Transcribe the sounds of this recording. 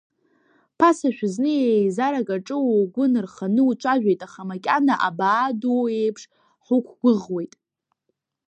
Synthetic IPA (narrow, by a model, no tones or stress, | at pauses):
pʰasaʃᶣznɨjejzaɾakʼaʈ͡ʂʼɨwoɡʷʊnɨrχanɨut͡ʃʷʰʼaʒᶣejtʼaχamakʲʼanaʔabaːdoejpʰʂ | ħʷukʷʰɡ̥ʷʊʁwe̞jtʼ